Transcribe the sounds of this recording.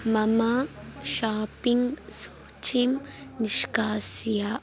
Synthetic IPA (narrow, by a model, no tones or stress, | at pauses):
mɐmaʃaːpiŋɡsoːt͡ʃimniʃkaːsja